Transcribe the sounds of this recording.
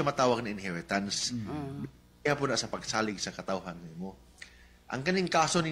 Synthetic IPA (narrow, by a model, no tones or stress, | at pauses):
ɐmɐt̪aːwɐɡ̚nɐɪnhɛɾɪt̪ansbɪ | hapʊnaʔsɐpɐɡ̚saːlɪɡ̚sɐkɐt̪awɦanːɪmo | ʔɐ̰ŋkɐniŋkaːso̞nɪ